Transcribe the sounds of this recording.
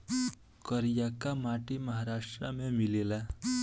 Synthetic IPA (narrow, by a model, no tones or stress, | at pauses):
kəɾijakamaːʈiməɦaɾaːʃʈɾamẽmɪlela